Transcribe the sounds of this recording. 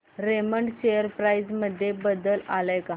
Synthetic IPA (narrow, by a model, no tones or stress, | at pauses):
ɾeməɳʈɕejəɾpɾaid͡zməd̪ʱːjebəd̪əlaləjka